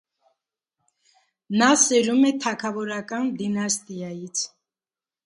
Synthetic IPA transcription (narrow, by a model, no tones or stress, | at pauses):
nasɛɾumɛt̪ʰɑkʰɑvɔɾɑkʼɑnd̪inɑst̪ʼiɑjit͡sʰ